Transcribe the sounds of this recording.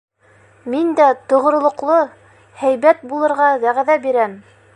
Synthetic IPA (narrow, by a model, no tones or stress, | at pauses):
mind̪æt̪ŏʁ̆ɾŏlˠŏqlˠo | hæjβæt̪̚bulˠɤ̆ɾʁɑɡ̪æʁæðæbiɾæm